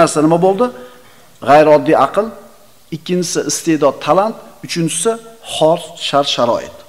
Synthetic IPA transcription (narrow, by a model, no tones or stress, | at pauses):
aɾsanɪmabolˠd̪ɪ | ʁajɾɒd̪ːiɑqɨlˠ | ɪkʲːɪnt͡ʃʰɪ̥sɪʔɪst̪e̞d̪ɒd̪̚t̪ʰalant̪ʊt͡ʃʰɪnt͡ʃʰɪ̥sɪχɒɾsʃaɾʃaɾɒ̰ʔɪ̰t̪